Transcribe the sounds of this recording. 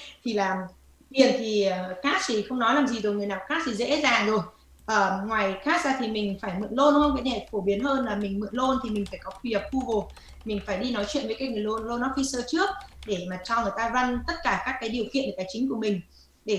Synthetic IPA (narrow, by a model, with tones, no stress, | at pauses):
t̪ʰi˨˩laː˨˩ | vi˨˩ənt̪ʰi˨˩˨kaː˦˥t̚t̪ʰi˨˩xə˧wŋ͡mnɔ˨˦jlaː˨˩mzi˨˩zo˨˩jŋɨ˨˩əjnaː˨˩wkaː˦˥t̚t̪ʰi˨˩zḛ˧˥zaː˨˩ŋzo˨˩j | ʔəː˨˩ŋwaː˨˩jxaː˦˥t̚zaː˧t̪ʰi˨˩mï˨˩ŋ̟faː˧˩jmɨ̰˧˨ənlo˧nɗu˧˦ŋ͡mxə˧wŋ͡mkaː˨˦jnɛ˧˩fo˧˩ɓi˨˦ənhəː˧nlaː˨˩mï˨˩ŋ̟mɨ̰˧˨ənlo˧nt̪ʰi˨˩mi˨˩ŋ̟faː˧˩jkɔ˨˦xwi˨˩hə˨˩p̚xu˧vo˨˩ | mï˨˩ŋ̟faː˧˩jɗi˧nɔ˨˦jt͡ɕwḭ˧ənvəː˨˦jkaː˨˦jŋɨ˨˩əjlo˧n˧lo˧nːɔ˨˦fi˧səː˧t͡ɕɨ˦˥ək̚ɗe˧˩maː˨˩t͡ɕɔ˧wŋɨ˨˩əjt̪aː˧za˧ŋt̪ə˦˥t̚kaː˧˩kaː˦˥kːaː˨˦jɗi˨˩əwkḭ˧˨nʔəː˨˩taː˨˦t͡ɕï˨˦ŋ̟ku˧˩əmï˨˩ŋ̟ | ɗe˧˩